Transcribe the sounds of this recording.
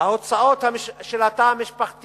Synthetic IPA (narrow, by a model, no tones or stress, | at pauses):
aot͡saot̪hamiʃʃelat̪aamiʃpaχt̪